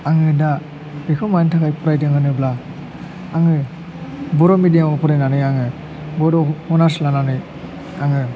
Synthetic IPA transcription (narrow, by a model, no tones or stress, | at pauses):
aŋɯda | bikʰɔmantʰakajpuɾajdɯŋɯnɯbla | aŋɯ | bɔɾɔmidijaɔpuɾajnanɯaŋɯ | bɔɾɔhɔnaslananɯj | aŋɯ